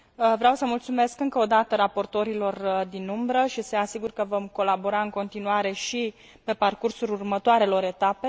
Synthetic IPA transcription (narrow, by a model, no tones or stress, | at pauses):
əvɾeawsəmult̪sume̞skɨŋkəod̪at̪əɾapo̞rt̪o̞ɾilo̞rd̪inumbɾəʃiseasiɡurkəvo̞mko̞labo̞ɾaɨŋko̞nt̪inuaɾe̞ʃi | pe̞parkursulurmət̪oaɾe̞lo̞ɾe̞t̪ape̞